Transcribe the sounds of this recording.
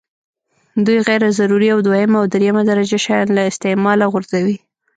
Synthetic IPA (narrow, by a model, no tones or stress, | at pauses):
d̪ujɣajɾazaɾuɾiawd̪wahɪmaawd̪ɾejamad̪aɾad͡ʒaʃɑjɑnlaɪst̪ɪmɑlaɣʊɾzawi